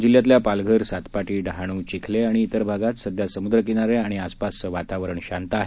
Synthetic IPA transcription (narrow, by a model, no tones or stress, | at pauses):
d͡ʑiljat̪ljapalɡʱəɾsat̪paʈiːɖɦaɽ̃ũt͡ɕikʰleaɽ̃iːt̪əɾbʱaɡat̪səd̪ʱjasəmud̪ɾəkinaɾeaɽ̃iaspasəʋat̪aʋɾəɳɕant̪əaɦe